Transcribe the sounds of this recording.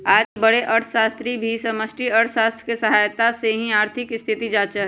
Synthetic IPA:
aːd͡ʒbəɽeʔɐɾt̪ʰəʃaːst̪ɾibʱisɐməsʈiɐɾt̪ʰʃaːst̪ʰɾkesɐɦaːjt̪aseɦĩaːɾt̪ʰɪkɪst̪ʰɪt̪id͡ʒaːt͡ʃəɦ

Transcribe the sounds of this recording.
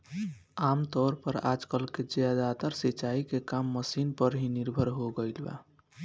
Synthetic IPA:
amt̪ɔɾpəɾa̰d͡ʒkəlked͡ʒad̪at̪əɾsit͡ʃaikekamːəsinpəɾɦiniɾbʱəɾɦoɡəjlba̰

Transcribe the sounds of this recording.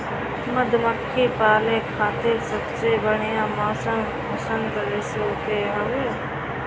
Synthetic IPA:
məd̪ʱməkʰːiːpaːlẽkʰaːt̪ɪɾsəbsebəɽ̤ɪjãːmɔːsəm | ʊsəŋkəɾesoːt̪eːɦɐʋeː

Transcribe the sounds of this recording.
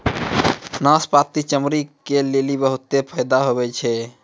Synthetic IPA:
naspat̪it͡ʃəmɾikelelibəɦut̪ːepʰəjd̪aɦobɛt͡ʃʰɛ

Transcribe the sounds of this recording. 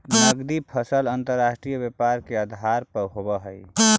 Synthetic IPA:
nəɡd̪ipʰəsələnt̪əɾːaʃʈɾijəbepaɾkeəd̪ʱaɾpəɾɦobəɦəj

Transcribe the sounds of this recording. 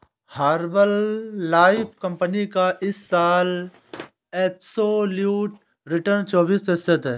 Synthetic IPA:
haːɾbəlːaːɪpʰkɐ̃mpənikaʔɪsːaːl | eːpsoljuːʈ | ɾɪʈəɾnt͡ʃɔːbiːspesət̪ɦɛː

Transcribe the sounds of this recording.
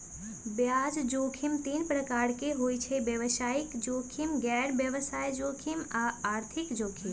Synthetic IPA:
bjaːd͡ʒd͡ʒoːkʰimt̪iːnpɾəkaːɾkeɦoːit͡ʃʰebjəʋəsaːɪkd͡ʒoːkʰimɡɛːɽbjəʋəsaːjd͡ʒoːkʰimaaːɾt̪ʰɪkd͡ʒoːkʰim

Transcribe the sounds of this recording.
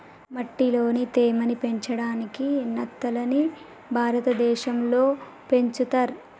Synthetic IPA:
mɐʈːilo̞ːnit̪eːmɐnipe̞ɲt͡ʃɐɽaːnikinɐt̪ːɐlɐni | bʱaːɾɐt̪ɐd̪ɛːʃɐmlo̞ː | pe̞ɲt͡ʃut̪ɐɾ

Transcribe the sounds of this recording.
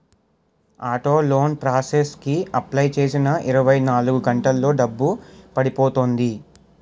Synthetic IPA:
aːʈo̞ːlo̞ːnpɾaːseskiɐplɐjt͡ʃe̞ːsinɐʔiɾɐʋɐjnaːluɡuɡɐɳʈɐlːo̞ːɖɐbːupɐɽipoːt̪oːnd̪i

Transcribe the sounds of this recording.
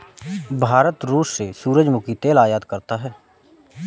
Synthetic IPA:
bʱaːɾət̪ɾuːʃsesuːɾəd͡ʒmʊkit̪eːlaːjaːd̪kəɾt̪aɦɛː

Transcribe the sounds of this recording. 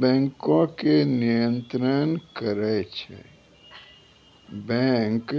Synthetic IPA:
bɛ̃ːŋkõkenijə̃nt̪ɾənkəɾɛt͡ʃʰɛ̰ | bɛ̃ŋk

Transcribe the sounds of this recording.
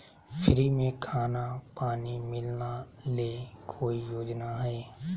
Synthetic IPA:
pʰɪɾiːmẽːkʰaːnaːpaːniːmɪlnaːleːkʰoːiːjoːd͡ʒnaːɦeː

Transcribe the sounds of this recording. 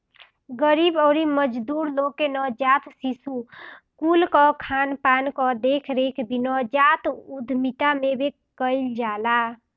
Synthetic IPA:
ɡəɾibɔɾiməd͡ʒd̪uɾlokenɔd͡ʒat̪sisu | kulkɔkʰanpankɔd̪ekʰɾekʰbinɔd͡ʒat̪ud̪ʱmit̪amebʱe | kəɪld͡ʒala

